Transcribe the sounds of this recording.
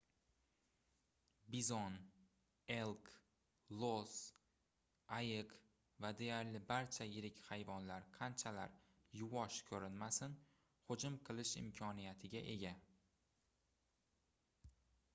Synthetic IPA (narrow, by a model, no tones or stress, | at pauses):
bizon | e̞lˠk | lˠos | ajɪq | vad̪e̞jaɾlɪbaɾt͡ʃʰajɪɾɪkʲhajvɒnlaɾqʰɑnt͡ʃʰala̰ɾ | jʊwɒʃkʲʰɵɾɪnmasɪn | hʊd͡ʒʊmqʰɨlˠɪʃɪ̰mkʲʰɒnijat̪ʰɪɡʲaʔe̞̰ɡʲa